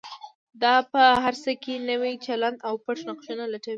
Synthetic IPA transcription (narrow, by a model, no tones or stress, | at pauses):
d̪ɑpəɦaɾsəkenəwit͡ʃaland̪awpaʈnaqʃunalaʈawi